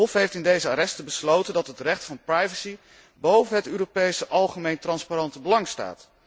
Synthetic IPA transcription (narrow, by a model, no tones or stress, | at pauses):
ɔfɦejftɪndejzəaːɾɛstəbəslowtəndɑtɦətrɛχtfɑnprajvəsi | bowvənɦətyːropejsəʔɑlˠχəmejntrɑnspaɾɑntəbəlɑŋsta̰ːt